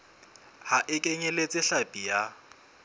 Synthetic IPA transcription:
haʔɪkʼeɲɛlet͡sʼɪɬapʼija

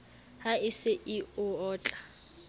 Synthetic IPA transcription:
haɪsɪʔɪʊɔːt͡ɬʼa

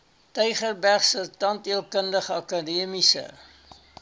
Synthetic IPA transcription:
təjχərbæχsətɐntiəlˠkəndəχəɐkadiəmisə̰

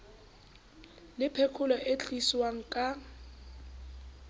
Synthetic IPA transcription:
lɪpʰekʰulɔʔet͡ɬʼiswaŋ̩kʼa

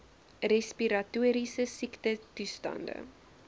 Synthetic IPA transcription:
rɛspiɾɐtuːɾisəsiktətustɐ̰ndə̰

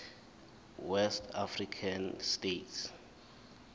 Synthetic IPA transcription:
wɛstʰafrikʰanstets

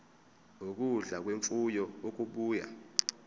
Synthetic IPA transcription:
ok̬uɮak̬weɱfujɔok̬uɓuːja̰

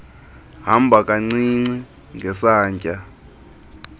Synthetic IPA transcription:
ɦambʱakʼaŋ͡ǀiŋ͡ǀi | ŋɡʱɛsaːɲcʼa

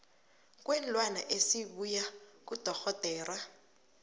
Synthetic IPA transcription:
k̬ʼwɛnlwana̰ʔesiɓujak̬ʼud̥ʱɔxɔd̥ʱɛːra

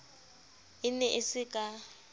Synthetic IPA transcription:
ɪnɛʔɪsɪkʼa

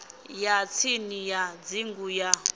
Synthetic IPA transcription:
jat͡sʰinijad͡ziŋɡuja

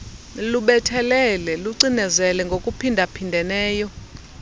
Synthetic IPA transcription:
luɓɛtʰɛlɛlɛluǀinɛzɛlɛŋɡʱokʼupʰindʱapʰindʱɛnɛːjɔ

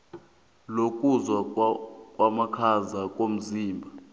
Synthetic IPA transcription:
lokʼuzwakʼwamakʰazakʼom̩ziːmbʱa

